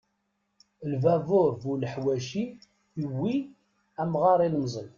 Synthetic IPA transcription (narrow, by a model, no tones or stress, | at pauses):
lvævoɾvuləħwæʃi | iwːi | æmʁɑɾˤilmzˤəl